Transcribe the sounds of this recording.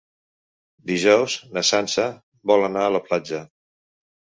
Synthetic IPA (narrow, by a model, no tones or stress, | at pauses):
d̪iʒɔwznəsansə | bɔlənaələplad͡ʒə